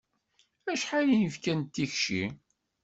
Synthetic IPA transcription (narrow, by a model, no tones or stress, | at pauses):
æʃħalijəfkænt̪ːiçʃḭ